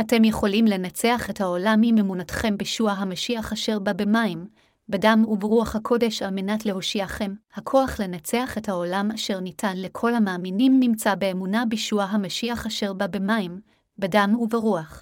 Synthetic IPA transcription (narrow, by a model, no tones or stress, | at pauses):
ate̞mje̞χo̞limle̞nat͡se̞aχe̞thaolamimemunatχe̞mbiʃuaɦamaʃiaχaʃe̞ʁbabemaim | bedamuveʁuaχhakʰo̞de̞ʃalmenatle̞ɦo̞ʃiaχe̞mhakʰo̞aχle̞nat͡se̞aχe̞thao̞lamaʃe̞ʁnitʰanle̞kʰo̞lhamaːminimːimt͡sabeːmunabiʃuaɦamaʃiaχaʃe̞ʁbabemaim | bedamuveʁuaχ